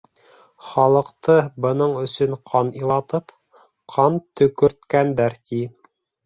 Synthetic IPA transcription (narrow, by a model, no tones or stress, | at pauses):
χɑlˠɤ̆qt̪ɤbɤ̆nɤɴɵ̆sɵɴqʰɑnilˠɑt̪ɤp | qʰɑnt̪ɵ̆kɵ̆ɾt̪kænd̪æɾt̪i